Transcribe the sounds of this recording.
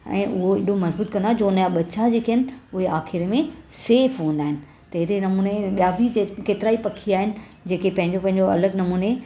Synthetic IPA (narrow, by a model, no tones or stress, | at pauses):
ɛ̰̃ːʔʊɦoɪɗomɐzbuːt̪̚kɐ̃nd̪ad͡ʑoːnjaɓɐt͡ɕad͡ʑeːkeɦənɪ̆ʊɦeaːxɪɾmẽseːfɦũːnd̪aːɦɪnɪ̆ | t̪ɐɦɪɾenɐmuːneɓijabʱitekeːt̪ɪɾaːipɐkʰiaːɦɪnɪ̆ | d͡ʑeːkepɐ̃ɦɪ̃ɲd͡ʑopɐ̃ɦɪ̃ɲd͡ʑoɐ̰ləɡnɐmuːne